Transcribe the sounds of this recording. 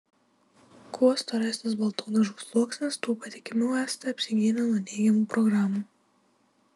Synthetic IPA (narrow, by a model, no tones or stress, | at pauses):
kʰoːst̪ɐɾʲæːsʲnʲɪs̬bɐlˠt̪oːnʲɐʒuːslˠuɔksʲnʲɪst̪uːpɐt̪ʲɪkʲɪmʲʊɛːsʲt̪ʲɐɐpʲsʲɪɡʲiːnʲɛnuːnʲɛɪɡʲɛmuːpɾɔɡɾaːmuː